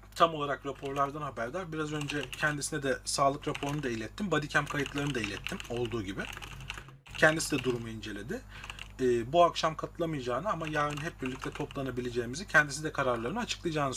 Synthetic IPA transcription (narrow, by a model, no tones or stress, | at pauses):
t̪ʰamo̞lˠaɾakɾapʰo̞ɾlˠaɾd̪anhabæɾd̪aɾbiɾazø̞nd͡ʒɛcʰɛnd̪isinɛd̪ɛsaːlˠɯkɾapʰo̞ɾunud̪aijlʲɛt̪ʰːimbad̪icʰæmkʰajɯt̪lˠaɾɯnɯd̪aejlʲɛt̪ʰːimo̞lˠd̪uːɟibɪ | cʰɛnd̪isid̪ɛd̪uɾumuind͡ʒe̞lʲe̞d̪ɪː | buakʃamkʰat̪ʰɯlˠamɯjad͡ʒaːnɯamajaɾɯnɦɛp̚biɾlʲic̚t̪ʰɛt̪ʰo̞plˠanabilʲed͡ʒe̞ːimizicʰɛnd̪isid̪ɛkʰaɾaɾlˠaɾɯnɯat͡ʃʰɯ̥klˠajd͡ʒaːnɯ